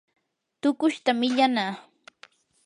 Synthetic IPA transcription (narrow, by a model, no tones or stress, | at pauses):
t̪ʊkʊʃt̪amɪʎanaː